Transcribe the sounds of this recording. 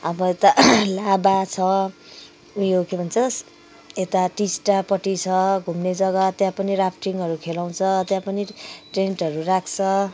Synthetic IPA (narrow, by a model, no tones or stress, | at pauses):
ʌbʌet̪alabat͡sʰʌ | ujokʰebʱʌnt͡sʰʌs | et̪aʈisʈapʌʈit͡sʰʌɡʱumned͡zʌɡat̪jãpʌnirapʰʈiŋɦʌɾukʰelaw̃t͡sʰʌt̪jãpʌniʈreɳʈʌɾurakʰt͡sʰʌ